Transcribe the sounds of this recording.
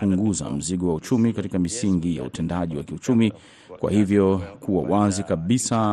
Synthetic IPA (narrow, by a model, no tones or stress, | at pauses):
uŋɡuza̰m̩ziɠɔwaut͡ʃumikatikamisiŋɡija̰ṵtɛndaʄiwa̰kiut͡ʃumi | kwa̰hivjɔkuwa̰wazikaɓisa